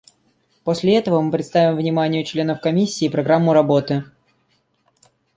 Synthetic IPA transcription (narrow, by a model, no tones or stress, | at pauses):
posʲlʲɪɛt̪əvəmɨpɾʲɪt̪st̪avʲɪmvnʲɪmanʲɪjʊt͡ɕlʲe̞nəfkɐmʲisʲːiːpɾɐɡɾamːʊɾɐbo̞t̪ɨ